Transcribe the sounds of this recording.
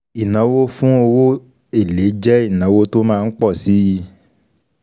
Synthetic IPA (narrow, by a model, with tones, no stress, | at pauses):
i˨nã˨˦wo˦fũ˦o˧wo˦ | e˨le˨˦d͡ʒɛ˦i˦˨nã˨˦wo˧to˦mãː˦˧n̩˦k͡pɔ˦˨si˨˦ji˧